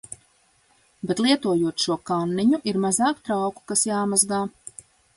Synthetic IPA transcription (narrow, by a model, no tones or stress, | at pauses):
bet̪lˠiɛt̪uɔjuɔt̪ʃuɔkanːiɲuʔiɾmazaːkt̪ɾawku̥kasjaːmazɡaː